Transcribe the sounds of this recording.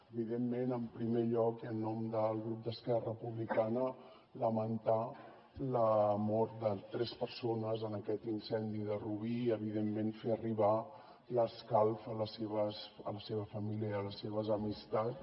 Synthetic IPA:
əβiðemːenəmpɾimeʎɔkiənːɔmd̪əlˠɣɾup̚d̪əskɛrəpuβlikanə | ləmənt̪a | ləmɔɾt̪̚d̪ət̪ɾɛspəɾsonəzənəkɛt̪insɛnd̪iðəruβiəβiðemːenfeəriβa | ləskalˠfələseβəsə̰ləseβəfəmiljəːləseβəzəmist̪at͡s

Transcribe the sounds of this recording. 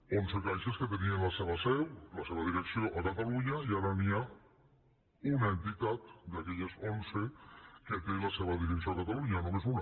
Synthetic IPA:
onzekajʃesket̪enienlaseβ̞asɛwlaseβaðiɾəksioʔakat̪aluɲaiaɾania | unaent̪it̪at̪d̪akɛʎazonzekek̪ejlaseβaðiɾeks̬iokat̪aluɲanomezuna

